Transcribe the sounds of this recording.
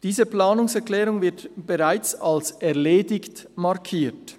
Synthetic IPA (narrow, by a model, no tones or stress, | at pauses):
d̥iːzəplaːnʊŋsɛʁklɛːɾʊŋvɪɐtb̥eʁaɪt͡salsɛʁleːdɪçt | mɑʁkʰiːt